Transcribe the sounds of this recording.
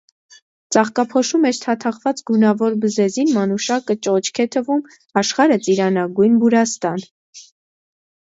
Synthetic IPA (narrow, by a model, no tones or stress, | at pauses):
t͡sɑχkɑpʰɔʃumɛɾt̪ʰɑt̪ʰɑχvɑt͡sɡunɑvɔɾbəzɛzinmɑnuʃɑkət͡ʃɔt͡ʃʰkʰɛt̪ʰəvum | ɑʃχɑɾət͡sʼiɾɑnɑɡujnbuɾɑst̪ɑn